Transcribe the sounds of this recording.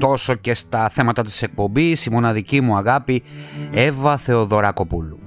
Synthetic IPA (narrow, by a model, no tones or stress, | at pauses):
t̪o̞so̞ce̞st̪ɐθe̞mɐt̪ɐt̪i̥se̞k̚po̞mbisimo̞nɐðicimuɐɣɐpie̞vɐθe̞o̞ðo̞ɾɐko̞pulu